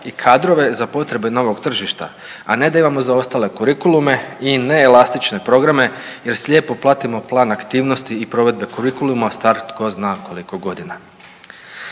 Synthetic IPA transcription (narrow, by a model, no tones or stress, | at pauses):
ikʰaːd̪ɾo̞ʋe̞zapo̞t̪ɾe̞beno̞ʋo̞ɡt̪r̩ʒiʃt̪a̰ | ane̞d̪aimamo̞zao̞st̪ale̞kuɾikulume̞ine̞ːlast̪it͡ʃne̞pɾo̞ɡɾame̞je̞ɾslʲʎʲjeːpo̞plˠaːt̪imo̞plˠaːnakt̪iːʋno̞st̪iːpɾo̞ʋe̞d̪̚be̞kuɾikulumast̪aɾt̪ko̞znaːko̞liko̞ɡo̞d̪ina